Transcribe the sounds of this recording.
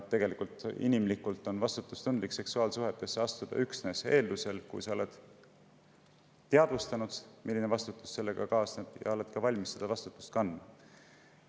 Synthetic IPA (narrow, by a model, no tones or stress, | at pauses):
e̞ɡe̞likult̪ˑḭnimlikːˑult̪ːˑo̞nvɑst̪ut̪ːˑust̪und̪likse̞ksuɑːlsuɦet̪ːˑe̞sːeɑst̪ud̪̥ɑ̰yksne̞ːse̞ːld̪use̞lkṵjsɑole̞d̪̥ | t̪ːeɑd̪̥vust̪ɑnud̪̥milːinevɑst̪ut̪ːˑu̥sːe̞lːe̞ɡ̥ɑ̰kɑːsnet̪ˑjɑ̰o̞le̞t̪kɑvɑlʲmisːed̪ɑvɑst̪ut̪ːˑust̪̚kɑnːmɑ